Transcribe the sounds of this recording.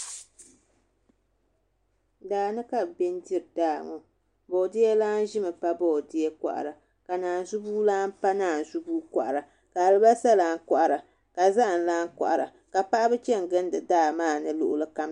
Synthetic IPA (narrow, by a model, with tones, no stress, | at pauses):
daː˨nɨ˦ka˦lbɛ˦ndi˦ɾdaː˦˨ŋɔ˨ | bo˨dɪ˦ɛ˦laː˦n˦ʒɪ˦mɨ˨pa˦bɔ˦˨dɪ˦ɛ˦ka̰˨ʔa̰˨ɾa˨ | ka˨naː˨n˨zu˦buː˦laː˦n˦pa˦naː˨n˨zu˦buː˦ka̰˨ʔa˨ɾa˨ | ka˨a˨lɨ˦ba˦sa˦laː˦ka̰˨ʔa˨ɾa˨ | ka˨za˦ʔa˨n˨laː˦ŋkʔɾa˨ | ka˨pa˦ʔa˦bɨ˦t͡ʃɛ˦ŋ˨ɡɨ˦n˦dɨ˨daː˦˨maː˦˨nɨ˦lʊ̰˨ʔʊ˨˦lɨ˦ka˦m